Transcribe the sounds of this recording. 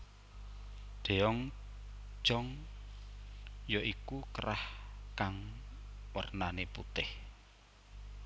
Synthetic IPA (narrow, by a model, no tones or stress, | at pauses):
ɖ̪̥e̤ɔŋ̥ | ʒ̥ɔŋ | jɔʔikukəɾʔahkaŋ | wə̰rnanepṵt̪ɪh